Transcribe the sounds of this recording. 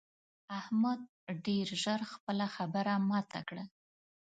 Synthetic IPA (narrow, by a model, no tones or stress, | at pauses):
ahmad̪̚ | ɖeɾʒəɾxpəlaxabəɾamat̪a̰kɽa